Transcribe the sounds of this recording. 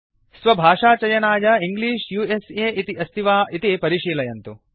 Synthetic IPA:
sʋɐbʱaːʂaːt͡ʃɐjɐnaːjɐiŋɡliːʃjuːeseːʔit̪iʔɐst̪ʰiʋaːʔit̪ipɐɾiʂiːlɐjɐnt̪u

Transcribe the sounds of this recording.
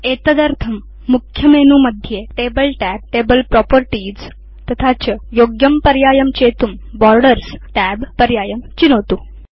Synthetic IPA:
et̪əd̪əɾt̪ʰəmː | ukʰjəmenuməd̪ʱːjeʈebəlʈæp̚ʈebəlpɾɔpəɾʈid͡z | t̪ɐt̪ʰat͡ɕəjoɡjəmpəɾjajəmt͡ɕet̪umbɔɾɖəɾsʈæbpəɾjaːjəmt͡ɕinəʋt̪u

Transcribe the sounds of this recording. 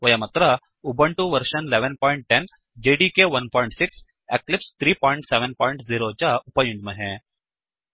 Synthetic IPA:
ʋɐjɐmɐt̪ɾə | ubəɳʈuʋəɾʃənleʋənpɔiɳʈ̚ʈen | d͡ʒeɖikeʋɐnpɔiɳʈsiks | eklipst̪ʰɾiːpɔːiɳʈseʋənpɔːjĩɳʈziɾot͡ɕaupɐjuɲd͡ʒməɦẽ

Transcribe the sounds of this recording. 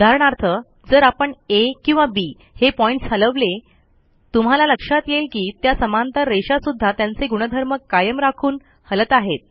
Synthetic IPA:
ud̪ʱaɾəɳ̃aɾt̪ʰə | d͡zəɾapəɳekĩw̃ʋabi | hepɔĩɳʈshələʋle | t̪um̤alaləkʂat̪jelkiːt̪jasəmant̪əɾɾeɕasud̪ʱːat̪jant͡seɡuɽ̃əd̪ʱəɾməkːajəmɾakʰuːn | hələt̪aɦet̪̚

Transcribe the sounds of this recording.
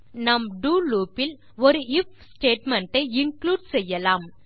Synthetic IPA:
nɐmɖuːluːpɪl | ɔɾɯɪf | sʈeːʈmɐɳʈɐɪɪŋkluːɖsɛjːɐlaːm

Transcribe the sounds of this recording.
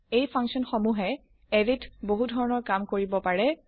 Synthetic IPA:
ejpʰaŋksiɔnxomuɦɛ | editboɦudʱɔɹɔnɔɹkamkoɹibɔpaɹɛ

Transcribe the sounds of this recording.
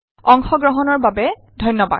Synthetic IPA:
ɔŋxɔɡɹɔɦɔnɔɹbabɛ | dʱɔjnːɔba̰

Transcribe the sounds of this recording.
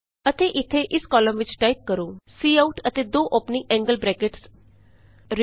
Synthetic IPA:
ət̪eːʔɪt̪ʰːeʔɪskɔːləmʋɪt͡ʃʈaːip̚kəɾũːsiːauʈət̪eːd̪oːʔopnĩʔɛ̃ːŋɡəlbɾɛːkeʈs | ɾ

